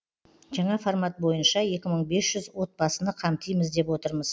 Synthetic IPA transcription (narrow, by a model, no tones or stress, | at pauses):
ʒɑɴɑfoɾmat̪̚bo̞jənʃɑje̞kʲɪməɴbe̞sʒ̥ʏzwo̞t̪̚bɑsənəqʰɑmt̪ʰəjməzd̪e̞pwo̞t̪əɾməz